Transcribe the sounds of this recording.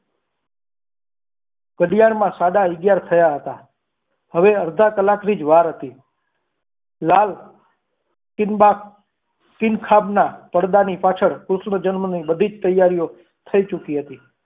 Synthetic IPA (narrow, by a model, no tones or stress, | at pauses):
kəɽijaɽmãsaɽaɪɡjaɾt̪ʰəjaɦət̪a | həʋeəɾd̪ʱakəlakɾid͡ʒʋaɾɦət̪i | lal | a | kɪnkʰabnapəɽd̪anipat͡ʃʰəɽkɾusɳəd͡ʒənmənibəd̪ʱid͡ʒt̪əjːaɾijo | t̪ʰəit͡ʃukiɦət̪i